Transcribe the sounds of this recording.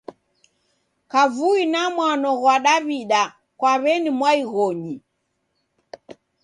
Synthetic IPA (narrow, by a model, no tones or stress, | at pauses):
kavuinamwanɔɣwaɗaβiɗa | kwaβɛnimwaiɣɔɲi